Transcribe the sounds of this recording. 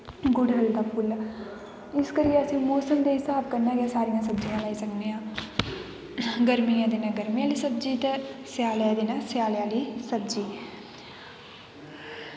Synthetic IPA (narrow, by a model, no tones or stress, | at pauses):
ɡʊɽəld̪aːpʰʊl | ɪskəɾijeəsĩːmɔːsəmd̪eːɦɪsaːb̚kəɾnaːɡjaːsaːɾijãːsəbd͡ʒijãːlaːisəkd̪ejãː | ɡəɾmijãːd̪ɪnãɡəɾmijaːliːsəb̚d͡ʒiːt̪esɪjaːljãːd̪inasjaːljaːliːsəbd͡ʒiː